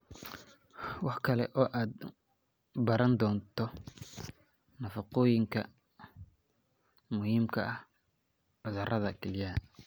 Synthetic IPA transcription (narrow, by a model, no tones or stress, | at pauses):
wɑħkʰɐlɛ̰ʔɔːʔaːd̪ | bɐɾɐnd̪ɔːnt̪ʰɔ | nɐfɑqɔːjɪŋkʰɐ | mʊhiːmkʰɐʔɐh | ʕʊðɐrɐðɐkʰɛljaː